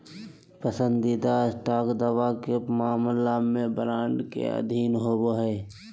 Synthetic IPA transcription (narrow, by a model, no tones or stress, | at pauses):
pəsə̃nd̪id̪aɪsʈaːkd̪əʋakemaːmlamẽbɾaːɳɖkḛə̰d̪ʱiːnɦoboɦɛː